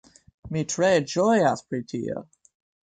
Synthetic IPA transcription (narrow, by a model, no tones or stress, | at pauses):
mitʰɹ̥eɪd͡ʒɔɪaspʰɹitʰḭə̰